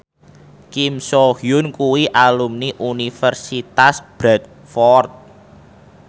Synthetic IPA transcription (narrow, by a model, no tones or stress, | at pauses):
kimsohjʊnkuwiʔalumniʔunifərsit̪asb̥ɾɛt̪̚ | fɔrt̪̚